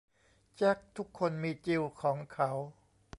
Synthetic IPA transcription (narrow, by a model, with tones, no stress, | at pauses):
t͡ɕa˦˥k̚t̪ʰu˦˥kʰːo˧nmiː˧t͡ɕi˧wkʰɔː˩˦ŋkʰa˦˥w